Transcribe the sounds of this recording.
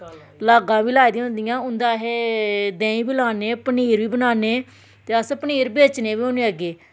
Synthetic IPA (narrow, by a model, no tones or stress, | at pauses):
laːɡãːʋiːlaːid̪ĩʊ̃nd̪ɪjãːʊnd̪aːɦeːd̪ɛ̃ːĩːbiːlaːneːpəniːɾʋiːbənaːneː | t̪eːəspəniːɾbeːt͡ʃneːʋiːõːneːəɡeː